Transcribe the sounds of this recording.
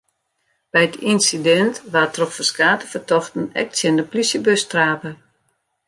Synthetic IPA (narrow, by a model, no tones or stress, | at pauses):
b̥ɛjətinsidɛntʋatrɔxfəskaːtəfərtɔxtən̩ɛ̰k̚tsjɪndəplysjəbøstraːpə